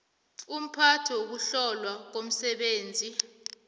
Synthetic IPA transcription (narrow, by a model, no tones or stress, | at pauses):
um̩pʰatʰɛwok̬uɬɔlwak̬om̩sɛɓeːnd͡zʱi